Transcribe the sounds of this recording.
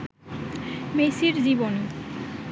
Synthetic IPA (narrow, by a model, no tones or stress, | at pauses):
mesiɾd͡ʑiboni